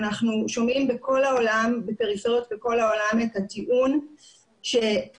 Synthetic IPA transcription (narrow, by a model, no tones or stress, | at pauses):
naχnuʃo̞mimbeko̞laolambepe̞ʁifeʁjo̞tbeko̞lao̞lame̞thatiʔun | ʃe